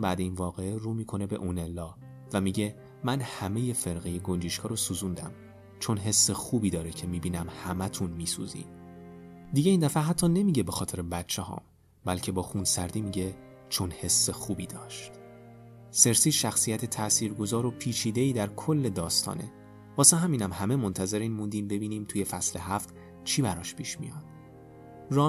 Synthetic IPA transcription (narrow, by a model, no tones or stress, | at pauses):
bæːd̪einvɒːɣeeɾuːmiːkʰo̞ne̞be̞̰ʔune̞lːɒː | væmiːɟe̞ | mænhæme̞je̞fe̞ɾɣejeɡo̞nd͡ʒiːʃkʰɒːɾosuzund̪æ̰m | t͡ʃʰo̞nɦe̞sːexuːbiːd̪ɒːɾecʰemiːbiːnæmhæmæt̪ʰunmiːsṵːzḭːm | d̪iɟe̞iːnd̪æfæɦæt̪ʰːɒːne̞miːɟe̞be̞xɒːt̪ʰe̞ɾebætt͡ʃʰːehɒ̰ːm | bælcʰe̞bɒːxunsæɾd̪iːmiːɟe̞ | t͡ʃʰonhe̞sːe̞xuːbiːd̪ɒːʃt̪ | se̞ɾsiːʃæxsijæt̪ʰe̞t̪ʰæʔsiːɾɡo̞zɒːɾopʰiːt͡ʃʰiːd̪e̞iːd̪æɾkʰolːe̞d̪ɒːst̪ʰɒ̰ːne | b̥ɒːseɦæmiːnæmhæmemo̞nt̪ʰæze̞ɾiːnmund̪iːmbe̞biːniːmt̪ʰuːje̞fæsle̞ɦæft̪ | t͡ʃʰiːbæɾɒːʃpʰiːʃmḭjɒd̪̥ | rɒː